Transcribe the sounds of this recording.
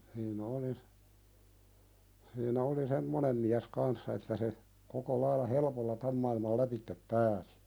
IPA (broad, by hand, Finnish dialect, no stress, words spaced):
hiːn oli siːnæ oli semːonem miæs kɑnsːɑ etːæ se koko lɑilːɑ helĕpolːɑ tæm mɑilmɑl læpitːep pæːsi̥